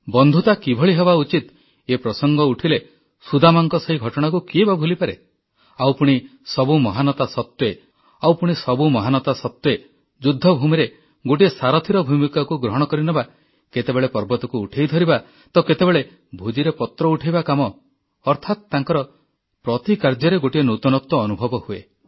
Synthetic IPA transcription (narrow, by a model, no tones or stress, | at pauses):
bɔnd̪ʱut̪akibʱɔɭiɦebaut͡ʃit̪ | epɾɔsɔŋɡɔuʈʰile | sud̪amaŋkɔsɔɦiɡʱɔʈɔɽ̃ak̬ukiebabʱulipaɾe | awpuɽ̃isɔbumɔɦanɔt̪asɔt̪we | awpuɽ̃isɔbumɔɦanɔt̪asɔt̪ːje | d͡ʒud̪ʱːɔbʱumiɾe | ɡoʈ̬iesaɾɔt̪ʰiɾɔbʱumikakuɡɾɔɦɔɽ̃ɔkɔɾinɔba | ket̪ebeɭepɔɾbɔt̪ɔkuːʈʰejd̪ʱɔɾiba | t̪ɔket̪ebeɭe | bʱud͡ʒiɾepɔt̪ɾɔuʈʰejbakamɔː | ɾt̪ʰat̪t̪aŋkɔɾɔ | pɾɔt̪ikaɾd͡ʒɔɾeɡoʈienut̪ɔnɔt̪wɔːnubʱɔbɔhuḛ